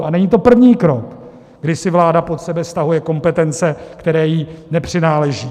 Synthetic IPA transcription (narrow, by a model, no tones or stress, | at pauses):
ʔanɛɲiːt̪o̞pr̩vɲiːkɾo̞k | ɡdɪsɪvlaːdapo̞t̪sɛbɛfst̪aɦujɛko̞mpɛt̪ɛnt͡sɛkt̪ɛɾɛːjinɛpr̥ɪnaːlɛʒiː